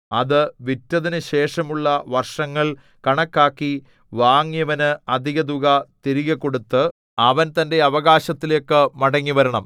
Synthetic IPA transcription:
ɐðɨʋitːɐðinɨɕe̞ːʂɐmuɭːɐʋɐrʂɐŋːɐɭ | kɐɳɐkːaːkːi | ʋaːŋjɐʋɐnɨɐd̪ʱiɣɐd̪uɣɐt̪iɾiɣɐkːo̞ɽut̪ːɨ | ɐʋɐnt̪ɐnde̞ɐʋɐɣaːɕɐt̪ːilokːɨmɐɽɐŋːiʋɐɾɐɳɐm

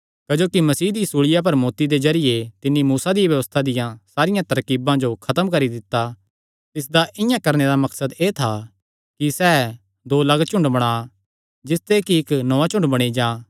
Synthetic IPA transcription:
kɐd͡ʒoːkimɐsiːd̪isuːɭɪjap̬ɐɾmoːt̪id̪ezɐɾɪjet̪ɪnːimuːsad̪ijbjɐʋəst̪ʰad̪ɪjãsaːɾɪjãt̪ɐɾkiːbãd͡ʒokʰɐt̪əmkɐɾid̪ɪt̪ːa | t̪ɪs̬d̪aʔɪjãkɐɾned̪amɐksəd̪eːt̪ʰa | kisɛː | d̪oːlɐɡt͡ʃʊ̃ɳɖbɐɽ̃aː | d͡ʒɪst̪ekiɪknɔãt͡ʃʊ̃ɳɖbɐɽ̃id͡ʒaː

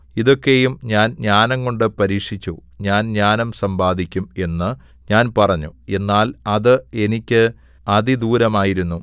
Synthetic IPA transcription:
iðo̞kːe̞jumɲaːnɲaːnɐŋko̞ɳɖɨpɐɾiːkʂit͡ɕːuɲaːnɲaːnɐmsɐmbaːd̪ʱikʲːume̞nːɨ | ɲaːnpɐrɐɲːṵe̞nːaːlɐðɨe̞nikʲːɨ | ɐðid̪uːɾɐmaːjiɾunːu

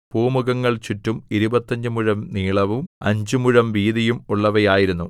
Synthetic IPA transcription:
puːmuɣɐŋːɐɭt͡ɕuʈːumiɾubɐt̪ːɐɲd͡ʑɨmuɻɐmniːɭɐʋumɐ̰ɲd͡ʑɨmuɻɐmʋiːðijumuɭːɐʋɐjaːjiɾunːu

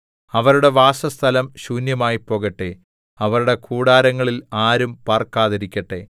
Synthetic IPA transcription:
ɐʋɐɾuɽe̞ʋaːsɐst̪ʰɐlɐmɕuːnjɐmaːjipːo̞ːɣɐʈːe | ɐʋɐɾuɽe̞kʰuːɽaːɾɐŋːɐɭilaːɾumpaːrkaːðɐɾikʲːɐʈːe̞

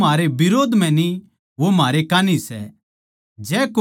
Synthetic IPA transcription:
aːɾebɪɾoːd̪ʱm̤ɛ̃ni | ʋomaːɾekaːnisɛ̰ | d͡ʒɛːk

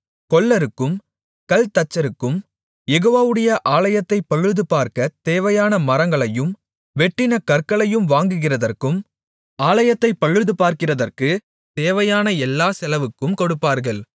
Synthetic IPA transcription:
kɔɭːɐɾɯkːɯm | kɐlt̪ɐt͡ʃːɐɾɯkːɯm | jɛɣoːʋaːʋɯɽɐjɐʔaːlɐjɐt̪ːɐɪpɐɻɯðɯpaːɾkɐt̪eːʋɐjaːnɐmɐɾɐŋɡɐɭɐjɯm | ʋɛʈːɪnɐkɐrkɐɭɐjɯmʋaːŋɡɯɣɪrɐðɐrkɯm | aːlɐjɐt̪ːɐɪpːɐɻːɯðɯpaːɾkɪrɐðɐrkɯ | t̪eːʋɐjaːnɐɛlːaːsɛlɐʋɯkːɯmkɔɽɯpːaːɾɣɐɭ

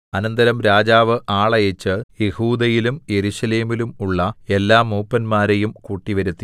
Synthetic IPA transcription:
ɐnɐnd̪ɐɾɐmɾaːd͡ʑaːʋɨʔaːɭɐjet͡ɕːɨje̞huːd̪ɐjilumje̞ɾuɕɐle̞ːmilumuɭːɐe̞lːaːmːuːpːɐnmaːɾejumkuːʈːiʋɐɾut̪ːi

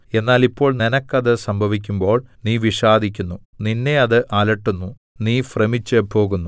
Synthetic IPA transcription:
e̞nːaːlipːo̞ːɭninɐkːɐðɨsɐmbʱɐʋik̬ʲːumbo̞ːɭniːʋiʂaːd̪ʱikʲːunːuninːe̞ɐðɨʔaːlɐʈːunːu | niːfremit͡ɕːɨpo̞ːɣunːu

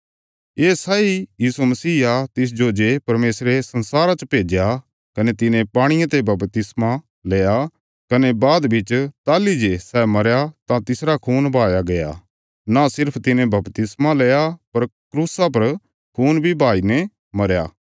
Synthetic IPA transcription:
eːsaijiːsumɐsiːat̪ɪs̬d͡ʒod͡ʒepɐɾmeːsɾesɐnsaːɾat͡ʃpeːd͡ʒja | kɐnet̪ɪnẽpaːɽ̃ɪjãt̪ebɐbt̪ɪsma | leːja | kɐnebaːd̪bʱɪt͡ʃt̪aːlid͡ʒesɛːmɐɾjat̪ãt̪ɪsɾakʰuːnbʱaːjaɡɐja̰ | nasɪɾpʰt̪ɪnẽbɐpt̪ɪsmaleːjapɐɾkɾuːsap̬ɐɾ | kʰuːnbʱibʱaːine | mɐɾja̰ː

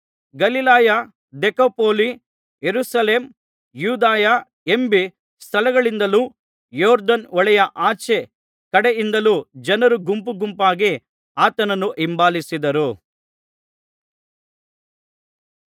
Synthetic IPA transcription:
ɡɐlilaːja | d̪ekopoːli | jeɾusɐleːm | juːd̪aːja | embi | st̪ʰɐlɐɡɐɭind̪ɐluː | jɔːɾd̪ɐnɔɭɛjɐʔaːt͡ʃe | kɐɽeind̪ɐlud͡ʒɐnɐɾuɡumpuɡumpaːɡi | aːt̪ɐnɐnːuʔimbaːlisid̪ɐɾu

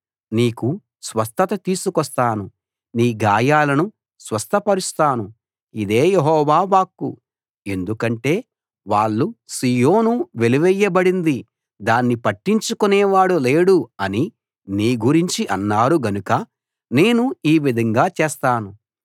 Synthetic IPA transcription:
niːku | sʋɐst̪ɐt̪ɐt̪iːsukɔst̪aːnu | niːɡaːjaːlɐnu | sʋɐst̪ʰɐpɐɾust̪aːnu | id̪e̞ːjeɦɔːʋaːʋaːkːṵ | e̞nd̪ukɐɳʈe̞ː | ʋaːɭːusiːjo̞ːnuʋe̞liʋɛjːɐbɐɽind̪i | d̪aːnːipɐʈːiɲt͡ʃukunɛːʋaːɽuleːɽuɐni | niːɡuɾiɲt͡ʃiʔɐnːaːɾuɡɐnukɐ | ne̞ːnuiːʋid̪ʱɐŋɡaːt͡ʃeːst̪aːnu

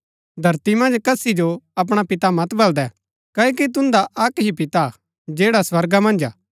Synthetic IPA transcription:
d̪ʱɐɾt̪imɐ̃nd͡ʒkɐsid͡ʒoɐp̬ɽ̃apɪt̪amɐt̪bɐld̪ɛ | kɐːokit̪̬ʊ̃nd̪aʔɐkɦipɪt̪a | d͡ʒeːɽaswɐɾɡamɐ̃nd͡ʒaː

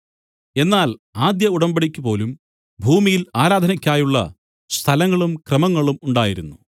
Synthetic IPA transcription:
e̞nːaːlaːd̪jɐuɽɐmbɐɽikʲːupo̞ːlum | bʱuːmijilaːɾaːd̪ʱɐnɐkʲːaːjuɭːɐ̰ | st̪ʰɐlɐŋːɐɭumkrɐmɐŋːɐɭumuɳɖaːjiɾunːu

